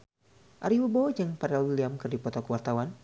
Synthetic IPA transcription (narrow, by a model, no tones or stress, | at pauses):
ʔaɾiwubɔd͡ʒaŋpaɾalwiliamkɨrdipɔt̪ɔkəwart̪awan